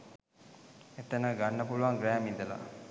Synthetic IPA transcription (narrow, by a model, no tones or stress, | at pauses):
et̪ənəɡanːəpuluʋaŋɡɾæːmid̪əla̰